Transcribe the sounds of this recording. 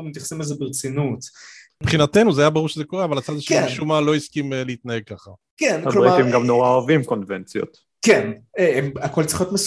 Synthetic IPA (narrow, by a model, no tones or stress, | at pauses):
met̪jaχsemelzebeʁet͡sinut | pχinat̪e̞nuzeajabaʁuʁʃezekoʁeavalat͡sad̪ʃkʃumalo̞iskimleit̪naheɡ̚kaχa | kenaloatimɡamnoʁaavimkonvent͡sjo̰t̪ | kenemako̞lt͡siχjot̪mes